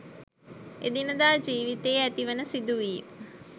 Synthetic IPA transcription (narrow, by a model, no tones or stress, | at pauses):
ed̪inəd̪aːd͡ʒiːʋit̪ejæt̪iʋənəsid̪uʋiː